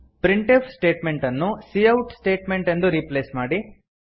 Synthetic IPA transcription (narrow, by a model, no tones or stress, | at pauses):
pɾiɳʈepʰsʈe̞ːʈme̞ɳʈɐnːusiːɐwʈsʈe̞ːʈmeɳʈend̪uɾiːpleːsmaːɽi